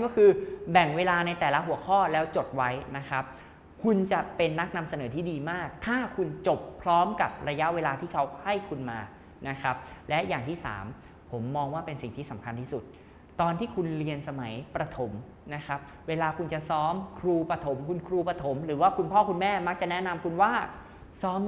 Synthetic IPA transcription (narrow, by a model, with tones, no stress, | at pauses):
n˥˩kɔː˥˩kʰɯː˧bɛ˨˩ŋweː˧laː˧na˧jt̪ɛː˨˩la˦˥ɦu˩˦ɐkʰɔː˥˩lɛː˦˥wt͡ɕo˨˩t̪̚wa˦˥jna˦˥kʰa˦˥p̚ | kʰu˧nt͡ɕa˨˩pe˧nːa˦˥k̚na˧msa˧nɤː˩˦t̪ʰiː˥˩diː˧maː˥˩k̚t̪ʰaː˥˩kʰu˧nt͡ɕo˨˩pʰɾɔː˦˥mka˨˩p̚ɾa˧ja˦˥ʔweː˧laː˧t̪ʰiː˥˩kʰa˦˥wha˥˩jkʰu˧nmaː˧ | na˦˥kʰa˦˥p̚lɛ˦˥jaː˨˩ŋt̪ʰiː˥˩sa̰ː˩˦m | pʰo˩˦mːɔː˧ŋwaː˥˩pe˧nsi˨˩ŋt̪ʰiː˥˩sa˩˦mkʰa˧nt̪ʰiː˥˩su˨˩t̪̚ | t̪ɔː˧nt̪ʰiː˥˩kʰu˧nli˧ənsa˧ma˩˦jpɾa˧t̪ʰo˩˦m | na˦˥kʰɾa˦˥p̚ | weː˧laː˧kʰu˧nt͡ɕa˨˩sɔː˦˥mkʰɾuː˧pɾa˧t̪ʰo˩˦mkʰu˧nkʰɾuː˧pɾa˧t̪ʰo˩˦mɾɯː˩˦waː˥˩kʰu˧npʰɔː˥˩kʰu˧nmɛː˥˩ma˦˥k̚t͡ɕa˨˩nɛ˦˥na˧mkʰu˧nwaː˥˩ | sɔː˦˥m